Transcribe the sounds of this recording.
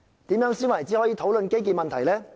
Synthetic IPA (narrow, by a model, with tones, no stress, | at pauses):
t̪iː˨˥mjœː˨˥ŋsiː˥nwɐ˨˩jt͡siː˨˥hɔː˨˥jiː˨˧t̪ʰo˨˥wlɵ˨nke˥jk̬iː˨mɐ˨nt̪ʰɐ˨˩jlɛː˥